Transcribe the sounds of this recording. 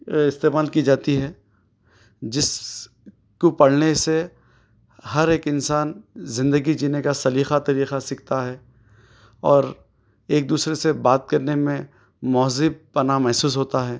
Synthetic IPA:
ɪst̪eːmaːlkid͡ʒaːt̪iɦɛː | d͡ʒɪs | kopɐɽnese | hɐɾeːkɪ̃nsaːnzɪ̃nd̪əɡid͡ʒiːnekasɐliːxat̪ɐɾiːxasɪk̚t̪aɦɛː | ɔːɾ | eːk̚d̪uːsɾesebaːt̪̚kɐɾnemẽ | mɔːzɪb̚pɐnamɛɦsuːs̬ɦoːt̪aɦɛː

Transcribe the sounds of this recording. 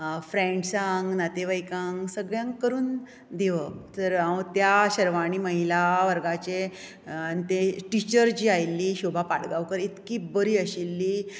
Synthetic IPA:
fɾẽɳʈsãŋɡnat̪eʋəjkãŋɡsəɡɭjãŋkkəɾuːn | d̪eʋət̪əɾat̪jaɕəɾʋaɽ̃iːməɦilaʋəɾɡat͡ɕe | anit̪eʈit͡ɕəɾd͡ʑiːajlːiːɕobʱapaɽɡaʋkəɾit̪kiːbəɾiːəɕilːiː

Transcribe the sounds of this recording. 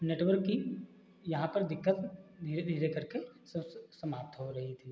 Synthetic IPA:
neːʈʋəɾkːi | jɐɦãpɐɾd̪ɪkːət̪d̪ʱied̪ʱiːɾekɐɾkesɐsɐmaːp̚t̪ɦoɾɐɦit̪ʰiː

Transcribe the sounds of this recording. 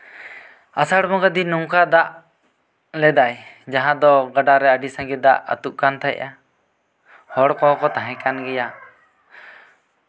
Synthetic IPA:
asaɽmɔ̃ɡad̪inuŋkad̪aʔ | lɛd̪aj | d͡ʒaɦãd̪ɔɡaɖaɾɛəɖisãɡid̪aʔə̰t̪uʔ̚kant̪ʰaɛ̰ʔa | hɔɽkɔɔkɔt̪aɦɛ̃kanɡɛja

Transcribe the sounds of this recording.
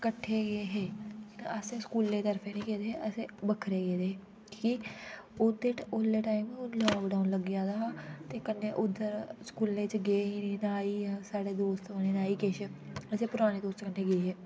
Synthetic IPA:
kəʈʰːeːɡeːɦeːəsẽskuːlːeːt̪əɾfʰẽːnĩːkeːd̪eːeəseːbəkʰɾeːɡeːd̪eːeː | kːkiod̪eʈʊlːeːʈaːimːlaːkɖaːunləɡjaːd̪aːaːt̪eːkənːeːʔʊd̪ːəɾskuːlnẽːt͡ʃɡeːɦiːniːnaːiːãːsaːɽeːd̪oːst̪oneːnaːiːkeːʃəəsẽːpʊɾaːñeːd̪oːst͡ʃkənːeːɡeːɦeː

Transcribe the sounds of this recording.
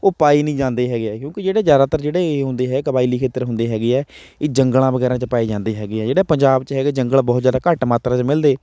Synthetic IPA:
oːpaːiːnĩːd͡ʒãːnd̪eːɦɛːɡeɛːkjõːkid͡ʒeːɽeːzjaːd̪aːt̪əɾd͡ʒeːɽeːɦʊ̃nd̪eːɦɛːkəbaːiliːkʰeːt̪əɾɦʊ̃nd̪eːɦɛːɡeːɛː | eːd͡ʒəŋɡlãːbəɡɛːɾãːt͡ʃpaːiːd͡ʒãːnd̪eːɦɛːɡeːɛːd͡ʒeːɽɛːpəɲd͡ʒaːbt͡ʃɦɛːɡeːd͡ʒəŋɡəɭbɔːt̪zjaːd̪aːkəʈmaːt̪ɾãːt͡ʃmɪld̪eː

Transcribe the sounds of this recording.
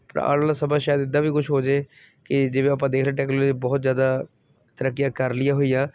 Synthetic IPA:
pə̰ɾa̰ːlalaːsəbaːʃaːjəd̪ɪd̪ːãːʋiːkʊʃʰɦoːd͡ʒeː | kɪd͡ʒɪʋẽːəpãːd̪eːkʰɾlaːʈɛːknoːlːd͡ʒiːbɔːt̪zjaːd̪aː | t̪əɾəkːijãːkəɾlɪjaːɦoijaː

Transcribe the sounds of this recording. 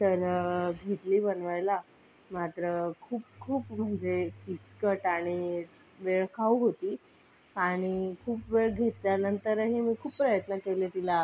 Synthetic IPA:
t̪əɾɡʱet̪liːbənʋajla | mat̪ɾəkʰuːp̚kʰuːpm̤əɳd͡zekit͡skəʈaɽ̃i | ʋeɭkʰauɦot̪iː | aɽ̃ikʰuːpʋeɭɡʱet̪ljanənt̪əɾɦiːmiːkʰuːpːɾəjət̪nəkelet̪ila

